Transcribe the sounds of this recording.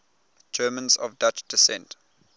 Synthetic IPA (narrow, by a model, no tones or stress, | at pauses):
d͡ʒɜːmə̃nzɔ̰vdat͡ʃd̥ɪsɛ̰̃nt